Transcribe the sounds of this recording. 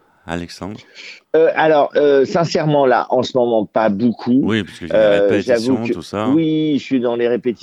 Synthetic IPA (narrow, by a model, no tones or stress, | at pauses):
øʔalɔʁøsɛ̃sɛʁmɑ̃la̰ʔɑ̃səmɔmɑ̃pabokʰuøʒavukwiəsɥid̪ɑ̃leʁepet̪i̥